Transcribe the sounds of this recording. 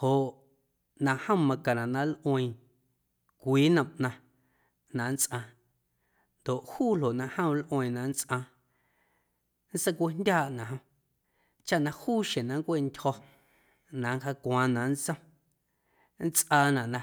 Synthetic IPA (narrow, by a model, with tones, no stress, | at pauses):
ho˨ʔ | nã˧˨hə̃˦mã˧kã˨nã˨ʔnã˧lʔõ˧ĩ˧˨ | kʷiː˨˦nə̃˨mʔnã˧ | nã˨ʔn̩˦t͡sʔã˧ | nd̪o˨ʔhuː˦˨l̥o˨nã˧hə̃˦˧˦lʔõ˧ĩ˧˨nã˨n˦t͡sʼʔã˧ | n̩˦se˦kʷe˧˦ndʲaː˦˨ʔnã˨ɦə̃˧ | t͡ʃa˦ʔnã˧huː˦˨ʃẽ˨nã˨ŋ˦kʷe˦˨ntʲhɔ˧ | nã˨ŋ˦ka˧kʷãː˧nã˨n˦t͡sə̃˦ | n̩˦t͡sʔaː˧nã˨ʔnã˧